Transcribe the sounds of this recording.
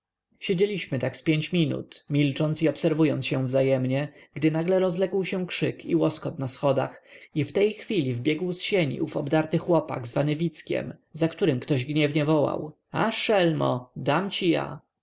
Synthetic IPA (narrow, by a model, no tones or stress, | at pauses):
ɕed͡ʑelʲiɕmɘt̪akspʲjeɲt͡ɕmʲinṵt̪mʲilt͡ʂɔnt̪siɔpsɛɾvujɔnt̪sɕɛvzajɛmɲɛɡd̪ɘnaɡlɛɾɔzlɛɡwɕɛ̃kʂɘkḭwɔskɔt̪nasxɔd̪a̰xift̪ɛjxfʲilʲivbʲjɛɡwsɕeɲḭuvɔbd̪aɾt̪ɘxwɔpa̰ɡzvanɘvʲit̪skʲɛ̰mzakt̪uɾɘmkt̪ɔʑɡɲɛvɲɛvɔwa̰w | aʂɛlmɔ̰d̪amt͡ɕija̰